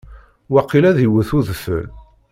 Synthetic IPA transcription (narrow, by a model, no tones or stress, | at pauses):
wɑqːilæðiwəθuðfə̰l